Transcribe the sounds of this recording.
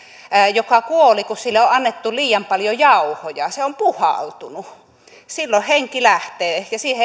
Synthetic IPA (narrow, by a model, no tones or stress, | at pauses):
jokɑkuolikussilːeoʔʔɑnːet̪ːuliːjɑmpɑljojɑuhojɑseompuhɑ̰lt̪unu | silːoheŋkilæht̪eːjɑsiːhe